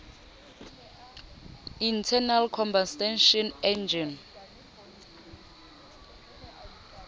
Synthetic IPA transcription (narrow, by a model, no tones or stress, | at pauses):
intʰɛnalkʰɔmbastɛnʃɔnɛnd͡ʒɔn